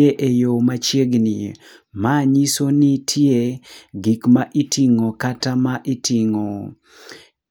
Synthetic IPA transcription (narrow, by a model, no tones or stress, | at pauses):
eʔejomat͡ʃjeɡni | maɲisonitʰjeɡikmaʔitʰiŋokatamaʔitiŋo